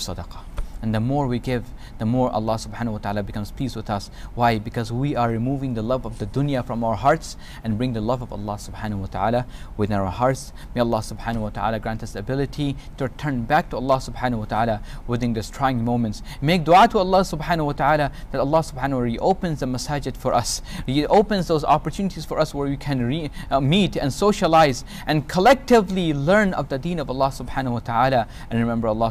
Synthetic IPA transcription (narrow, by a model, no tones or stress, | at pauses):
sɑdɑqɑ̥ | ɨ̃nðəmɔɹwiɡɪv | ðəmɔɹʔə̰lˠːɑsʊb̥ħãːnwət̪aʕalabɨkʌ̃mz̥pʰiswɨðʌs | waɪbɨkʰʌzwiʔə˞ːɨmuvɪ̃ŋðəlʌvʌvðɨdʊ̃njɨfɹʌ̃maʊə˞ɦɑɹts | ɨ̃nbɹɪ̃ŋðəlʌvʌvə̰lːɑsʊb̥ħanəwʌt̪əʕalawɨðɪ̃naʊə˞hɑɹts | meɪɑlˠːɑsʊbħanwət̪əʕa̰laɡɹæ̃ntɨsɨbɪlˠɨɾʰitɨɹɨtʰɜ̃˞nbæk̚tʰuəlˠːɑsʊbħanwət̪aʕalawɪðɪ̃nðoz̥tʰɹ̥aɪjɪ̃ŋmõʊ̃mɨ̃nts | meɪk̚d̥̪uatʰəəlˠːɑsʊbħanəwʌt̪aalaðætəlˠːɑsʊb̥ħãnəɹiʔoʊpɨ̃nzðəməsad͡ʒɨd̥fə˞ʔʌ̰siʔoʊpɨ̃nzðoʊzɑpəɹtʰʉnɨɾiz̥fɔ˞ʌswə˞wikʰɨ̃nɹimitɨ̰̃nsoʊʃəlaɪz | ʔɨ̃nkʰəlɛk̚tɪvlilɜ̃˞nʌ̰vðɨdĩnʌvəlːɑsʊbħanəwʌt̪ʰəala | ʔɨ̃nɹɨmɛ̃mbə˞əlˠːɑ